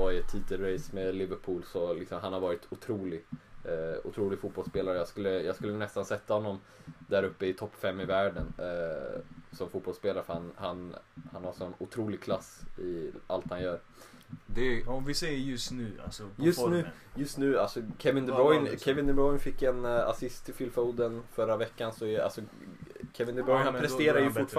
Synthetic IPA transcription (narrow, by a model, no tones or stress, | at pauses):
ɪɛt̪ʰːiːt̪əlɾejsmelɪvəɾpʰuːlsɔlɪksɔmɦanhaɾvɑːɾɪt̪ʊt̪ʰɾuːlɪɡ | ʊ̰t̪ʰɾuːlɪɡfut̪̚bɔlspeːlaɾəjɑːɡskɵlːəjɑːɡskɵlːənɛst̪ansɛt̪ːahɔnːɔm | d̪æɾɵpːəɪt̪ʰɔpːfɛmːɪvæːɖən | sɔmfuːt̪̚bɔlspeːlaɾəfhanhanhanhaɾʂɔnʊt̪ʰɾuːlɪɡ̚kʰlasːɪʔa̰lt̪hanjœːɾ | d̪ɛɔmvɪsɛjəjɵst̪nʉːa̰lsɔjɵsnʉ̟ː | jɵst̪nʉ̟ːalsɔkʰɛvɪnd̪ɛbɾɔjnkʰɛvɪnd̪ɛbɾɔjnfɪkːɛna̰sɪst̪ʰːɪlfɪlfoʊd̪ənfœɾavɛkːansɔɛa̰lsɔ | kʰɛvɪnd̪ɛbɾɔjnhanpʰɾɛseːɾajəfʊʈːf